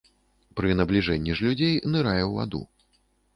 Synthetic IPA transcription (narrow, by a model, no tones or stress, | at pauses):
pɾɨnɐblʲiʐɛnʲːiʐlʲud͡zʲejnɨɾajɛwva̰d̪ṵ